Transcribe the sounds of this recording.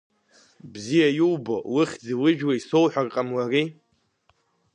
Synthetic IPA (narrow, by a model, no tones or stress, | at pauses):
bzijajuwbowɨχʲd͡ziwɪʒᶣwaiso̞wħʷᶣarqʼamwari